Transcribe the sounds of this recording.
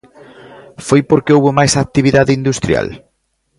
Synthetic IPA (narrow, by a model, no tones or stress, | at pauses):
fojpoɾkeowβʊmajsak̚t̪iβ̞iðaðɪind̪ust̪ɾja̰l